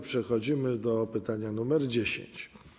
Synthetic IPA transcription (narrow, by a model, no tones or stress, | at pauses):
pʂɛxɔd͡ʑimɘd̪ɔpɘt̪aɲanumɛɾd͡ʑeɕḛɲt͡ɕ